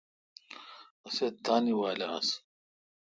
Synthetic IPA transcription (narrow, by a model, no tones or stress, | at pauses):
ɐset̪ːaːniwaːlaɐ̰s